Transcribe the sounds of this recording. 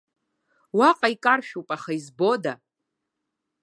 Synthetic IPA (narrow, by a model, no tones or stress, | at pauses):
waqʼaikʼarʃᶣupʼaχaizbo̞da